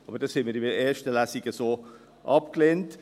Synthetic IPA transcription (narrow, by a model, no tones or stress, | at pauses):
ɑːbəd̥ɑshɪnmiːɾiəeːʃtəlæsiɡəsoː | ʔɑp̚klent